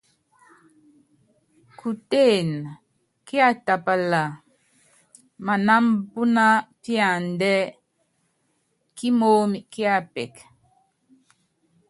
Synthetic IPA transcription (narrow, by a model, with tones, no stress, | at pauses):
ku˨te˦˨n | ki˦a˨ta˨pa˨la˨ | ma˨na˦mpu˦na˦pja˨ndɛ˦ | ki˦moː˦mi˨ki˦a˦˨pɛ˨k